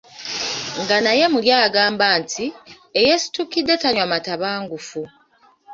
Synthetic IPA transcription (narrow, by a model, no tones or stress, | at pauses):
ŋɡanaje̞muljaːɡaːmbaːntʰi | ejesi̥tukidːe̞taɲwamataβaːŋɡufu